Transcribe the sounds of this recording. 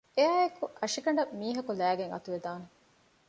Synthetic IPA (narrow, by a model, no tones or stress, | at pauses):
eæːekuʔɐʂikɐɳɖɐmːiːɦɐkulæːɡeŋɐ̰t̪uʋed̪aːne